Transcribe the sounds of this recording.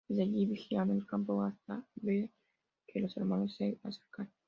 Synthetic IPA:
zaɡibixianelkampoɣast̪abe | kʰeloseɾmanosːeaseɾkan

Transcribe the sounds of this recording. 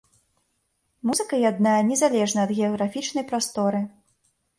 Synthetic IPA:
muzɨkɐjad̪najɐnʲɛzalʲɛʐnɐɐd̪ɣʲɛɐɣɾafʲit͡ʂnɐjpɾast̪ɔɾɨ

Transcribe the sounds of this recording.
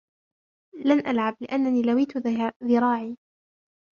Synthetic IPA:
lanʔalʕablɪʔanːaniːlawiːt̪ʊðɪɾˤɑːʕiː

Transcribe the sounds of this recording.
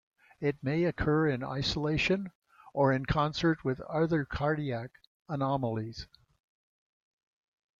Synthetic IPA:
ɪt̚meɪɨkʰɜ˞ɪ̃na̰ɪsəleɪʃɨ̃n | ʔə˞ɨ̃nkʰɑ̃nsə˞t̚wɪðʌðə˞kʰɑɹɾiæk | ənɑml̩ˠiz̥

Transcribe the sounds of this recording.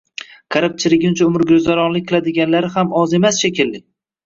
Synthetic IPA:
kʰaɾap̚t͡ʃʰɪlɪɡʲɪnʊt͡ʃʰaʊmɪɾɡʲozd̪aɾɒnlɪkʲqʰɨlˠad̪ɪɡʲanlaɾɪhamɒze̞masʃekʲɪlːɪ

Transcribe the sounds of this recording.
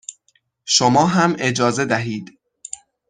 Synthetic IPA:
ʃomɒːɦæme̞d͡ʒɒːze̞d̪æɦiːd̪

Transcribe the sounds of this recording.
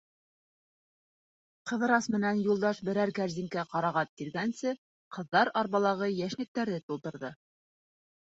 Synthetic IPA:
qɤ̆ðɤ̆ɾɑsmɘ̆nænjulˠd̪ɑʃbɘ̆ɾæɾkæɾziŋkæqɑɾɑʁɑt̪̚kiɾɡænsɘ | qɤ̆ðːɑɾɑɾβɑlˠɑʁɤjæʃlɘ̆k̚t̪æɾðɘt̪ulˠt̪ɤ̆ɾðɤ

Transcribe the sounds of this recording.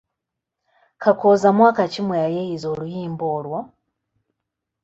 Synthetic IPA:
kakozamwaːkacimweajejizoːlujiːmboːlwo

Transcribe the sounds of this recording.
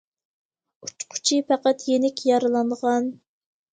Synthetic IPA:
u̥t͡ʃqʰʊ̥t͡ʃʰipʰæqæt̪jenɪkʲjɑɾɨlˠɑnʁɑn

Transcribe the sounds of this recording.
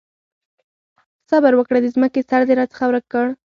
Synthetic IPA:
sabaɾwəkɽed̪əzməkesaɾd̪eɾɑt͡sə̥xawɾəkəɽ

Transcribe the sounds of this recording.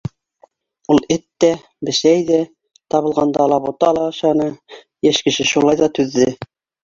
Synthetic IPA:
ulˠɘt̪ːæ | bɘ̆ʃæjðæ | t̪ɑβɤ̆lˠʁɑnd̪ɑlˠɑβut̪ɑlˠɑɤʃɑnɤ | jæʃkɘ̆ʃɘʃulˠɑjðɑt̪ʉðːɘ

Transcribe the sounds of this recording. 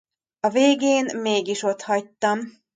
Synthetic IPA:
ɒveːɡeːnmeːɡiʃo̞t̪hɒc̚t̪ːɒm

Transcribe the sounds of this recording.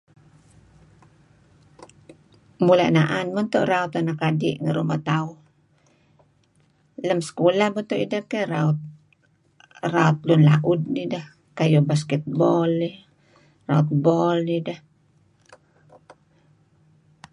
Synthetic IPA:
mula̰ʔnaʔanmant̪oʔraɔt̪anakadḭʔŋəɾumat̪au | ləmsə̥kolahbɔt̪oʔidakeraɔt̪̚ | raɔt̪̚lʊnla̰ʔʊd̚nidah | kajubaskɛt̪̚bɔlni | ra̰ɔt̪̚bɔlnidah

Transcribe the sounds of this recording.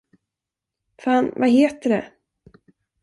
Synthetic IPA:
faːnvaɦeːt̪əɖɛ̰

